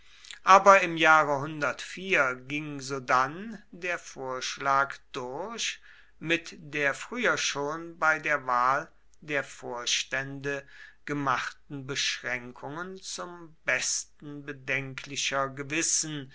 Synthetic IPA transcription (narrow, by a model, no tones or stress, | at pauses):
ʔaːbɐɪmjaːʁəɦʊndɐtfiːɐɡɪŋzoːdandeːɐfoːɐʃlaːkd̥ʊɐɕ | mɪtd̥eːɐfʁ̥yːɐʃoːnbaɪdeːɐvaːl | deːɐfoːɐʃtɛndəɡ̥əmaχtn̩bəʃʁ̥ɛŋkʰʊŋənt͡sʊmbɛstn̩bədɛŋkʰlɪʃɐɡəvɪsn̩